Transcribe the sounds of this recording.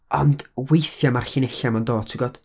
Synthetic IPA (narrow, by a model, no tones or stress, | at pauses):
ɔ̰ndwejθjamarɬɪnɛɬamando̥ːtʰiɡɔd̥